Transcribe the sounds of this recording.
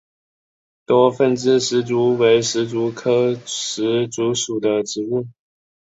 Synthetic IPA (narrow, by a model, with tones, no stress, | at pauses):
t̪wɔ˥fə˥˩nʈ͡ʂɻ̩˥˧ʂɻ̩˧˥t͡su˧˥we˧˥ɪʂɻ̩˧˥t͡su˧˥kʰɤ˥ʂɻ̩˧˥t͡su˧˥ʂu˨˩d̪ə˦ʈ͡ʂɻ̩˧˥u˥˩